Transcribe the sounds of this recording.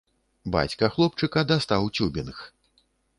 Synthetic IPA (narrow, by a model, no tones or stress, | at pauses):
ba̰t͡sʲkɐxlˠɔp̚t͡ʂɨkɐd̪ast̪awt͡sʲubʲinx